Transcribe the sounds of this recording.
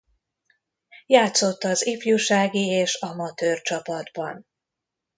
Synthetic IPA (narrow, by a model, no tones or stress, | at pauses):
jaːt̪so̞t̪ːɒzifjuʃaːɡieːʃɒmɒt̪øːrt͡ʃɒpɒd̪bɒn